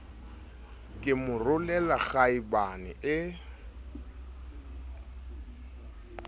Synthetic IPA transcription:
kʼɪmʊrʊlɛlaɣaibanɪ̰ʔɪ

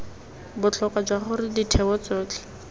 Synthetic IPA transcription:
bʊt͡ɬʰɔkad͡ʒwaχʊrɪditʰɛwɔt͡sɔːt͡ɬʰʼɛ̥

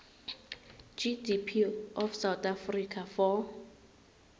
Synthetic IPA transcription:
d͡ʒidipʰiɔfsawt̪afrikʰafɔ

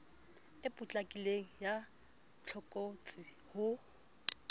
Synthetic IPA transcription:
ɪpʼʊt͡ɬʼakʼileŋ̩ja | t͡ɬʰɔkʼot͡sʼihʊ

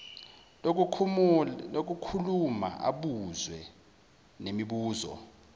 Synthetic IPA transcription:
lok̬ukʰuluma̰ʔa̰ɓuzwɛ | nemiɓuːzɔ̰

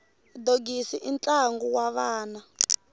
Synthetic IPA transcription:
doɡisiʔint͡ɬaŋɡuwaβaːna

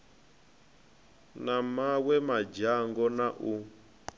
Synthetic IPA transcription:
namawɛmad͡ʒaŋɡɔnaʔu

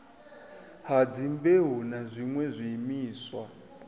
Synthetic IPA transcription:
had͡zimbeɦunazʷiŋwɛzʷiːmiːswa

